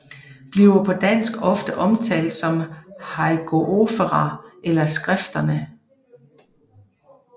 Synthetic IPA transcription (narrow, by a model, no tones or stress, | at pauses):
b̥liʊɐpʰɒ̽d̥æn̰sɡ̥ɒ̽fd̥əʔɒ̽mt͡sʰɛ̰ːld̥sɒ̽mhɑɪɡ̥ʰo̝ʔo̝fəʁɑʔelɐsɡ̥ʁafd̥ɐnə